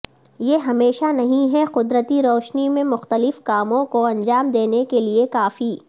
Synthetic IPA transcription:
jeɦɐmeːʃanɐɦĩɦɛqʊd̪ɾət̪iɾɔːʃnimẽmʊxt̪əlɪfkaːmõkoɐ̃nd͡ʒaːmd̪eːnekeliekaːfi

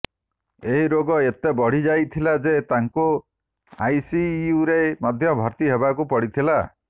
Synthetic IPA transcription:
eɦiɾoɡɔet̪ebɔɽ̤id͡ʒajt̪ʰilad͡ʒet̪aŋku | a̰jsiuɾemɔd̪ʱjɔbʱɔɾt̪iɦebakupɔɽit̪ʰila

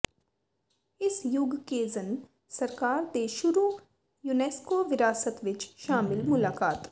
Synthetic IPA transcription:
ɪsjʊɡkezɐn | sɐɾkaːɾt̪eʃʊɾu | juːneːskoːʋɪɾaːsət̪ʋɪt͡ʃʃaːmɪlmʊlaːkaːt̪

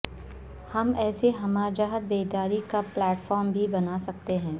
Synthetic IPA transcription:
hɐmɛːseɦɐmaːd͡ʒaɦəd̪̚beːd̪aːɾikaplɛːʈfɔːɾmbʱibɐnasɐk̚t̪eɦɛ̃ː

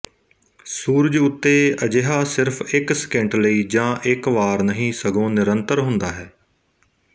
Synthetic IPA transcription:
suːɾəd͡ʒʊt̪ːeːəd͡ʒeɦaːsɪɾfʰɪkskẽɳʈləiːd͡ʒãːʔɪkʋaːɾnəɦĩːsəɡõːnɪɾənt̪əɾɦʊ̃nd̪aːɦɛː

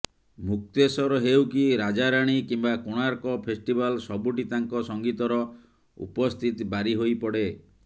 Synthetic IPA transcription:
muk̚t̪esɔɾɔɦewkiɾad͡ʒaɾaɽ̃ikimbakoɽ̃aɾkɔpʰesʈibalsɔbuʈit̪aŋkɔsɔŋɡit̪ɔɾɔ | ṵpɔst̪ʰit̪ibaɾiɦojpɔɽe

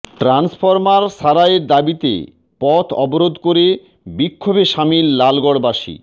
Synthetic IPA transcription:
ʈɾansfoɾmaɾʃaɾaeɾd̪abit̪ḛ | pɔt̪ʰɔboɾod̪koɾe | bikʰːobeʃamilːalɡɔɽbaʃḭ

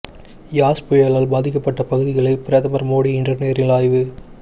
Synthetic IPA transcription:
jaːspɔjɐɭaːlbaːðɪkːɐpːɐʈːɐpɐɣɯðɪɣɐɭɐɪpɪɾɐðɐmɐɾmoːɽiɪɳɖɐɾneːɾɪlaːjʋɯ

